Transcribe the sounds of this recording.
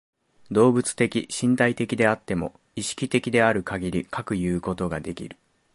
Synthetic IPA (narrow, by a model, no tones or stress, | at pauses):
d̪o̞ːbɯ̟t͡sɨ̥t̪e̞kʲiɕĩnt̪ait̪e̞kʲid̪e̞at̪ːe̞mo̞̰ | iɕi̥kʲit̪e̞kʲid̪e̞aɾɯ̟kaɡʲiɾʲikʰakɯ̟jɯ̟ːko̞t̪o̞ɡad̪e̞kʲḭɾɯ̟̥